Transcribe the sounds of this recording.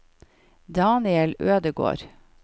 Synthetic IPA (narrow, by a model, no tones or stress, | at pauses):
d̪ɑːnɪɛløːd̪əɡo̰ːɾ